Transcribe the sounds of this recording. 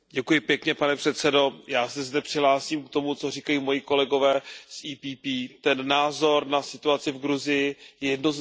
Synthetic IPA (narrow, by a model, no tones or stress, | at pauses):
ɟɛkujɪpjɛkɲɛpanɛpr̥ɛt̪sɛdo̞jaːsɛzdɛpr̥ɪɦlaːsiːmkt̪o̞mut͡so̞riːkajiːmo̞jiko̞lɛɡo̞vɛːsʔiːpiːpiːt̪ɛnːaːzo̞ɾnasɪt̪uat͡sɪvɡɾuzɪjɪjɛjɛdnoz